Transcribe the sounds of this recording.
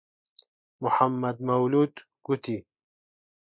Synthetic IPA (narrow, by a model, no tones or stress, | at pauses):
mʊħamːɐd̪̚mɐwluːd̪ | ɡ̥ut̪i